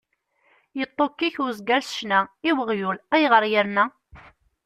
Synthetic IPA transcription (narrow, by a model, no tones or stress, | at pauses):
jət̪ˤːokːiçʊɾzɡælsʃnæiwəʁjulæjʁəɾˤjəɾnæ